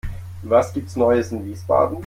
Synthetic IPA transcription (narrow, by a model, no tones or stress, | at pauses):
vasɡ̥iːp̚tsnɔʏəsɪnviːsb̥a̰ːdn̩